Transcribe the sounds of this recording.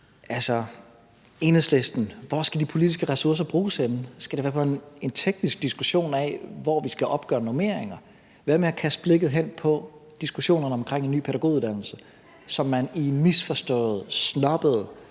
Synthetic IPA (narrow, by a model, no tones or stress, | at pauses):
ʔælsɒ | e̝ːnðˠsle̝sd̥n̩ʋɒsɡ̥æd̥ipʰo̝lid̥isɡ̥əʁɛsuɐs̬ɐb̥ʁuːsenn̩sɡ̥æɾ̥e̝ʋæːɐpʰɒ̽ene̝nt͡sʰeɡ̥nisɡ̥̚d̥isɡ̥uɕo̝̰ːnɛ̰ʋɒʋisɡ̥æʔɒ̽b̥ɡ̥ɶ̰ːɐnome̝̰ɐ̰eŋɐ | ʋæːɐmeɒkʰæs̚b̥le̝ɡ̥ð̩ˠɦen̰pʰɒ̽d̥isɡ̥uɕo̝̰ːnɐnəɒ̽mkʰʁeŋ̰e̝nːy̰ːpʰeɾæɡ̥o̝ːiuð̩ˠd̥æn̰l̩sə | sɒ̽mːænimisfɒ̽sd̥ɔ̰̽ːð̩ˠsnɒ̽b̥əð̩ˠ